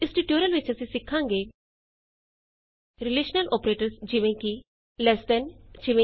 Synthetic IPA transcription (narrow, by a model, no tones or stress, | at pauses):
isʈiʈjoɾəlʋet͡ɕəsisikʰːãŋɡe | ɾileɕnəlʔɔpɾeʈəɾsd͡ʑiʋẽki | lɛsʈ̪ənd͡ʑiʋẽ